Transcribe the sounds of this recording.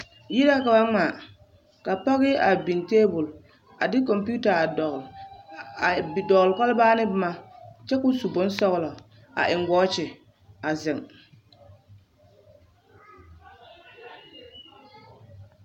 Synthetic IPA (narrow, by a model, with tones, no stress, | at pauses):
ji˦da˦ka˨ba˦ŋa˨ | ka˨pa˦ɣɪ˦a˨bi˨nteː˦bʊ˨l | a̰˨dɪ˦kɔ˨mpu˦ta˨ | dɔ˨ɣlɪ˨kɔ˦lbaː˦nɪ˦bɪ˦ma˦t͡ʃɛ˦kʊ˦su˨bʊ˨˦nsɔ˦ɣlɔ˨ | a̰˨ʔɪ˨ŋɡɔː˦t͡ʃɪ˨ | a˨zɪ˨ŋ